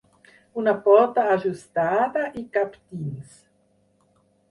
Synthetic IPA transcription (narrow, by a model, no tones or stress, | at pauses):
unapɔt̪aːʒust̪aðaʔikapt̪ins